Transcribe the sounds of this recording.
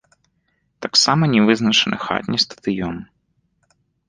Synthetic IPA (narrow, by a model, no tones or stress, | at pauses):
t̪aksamɐnʲɛvɨznɐt͡ʂɨnʔɨ̰xa̰t̪ʲnʲist̪ɐ̥d̪ɨjɔn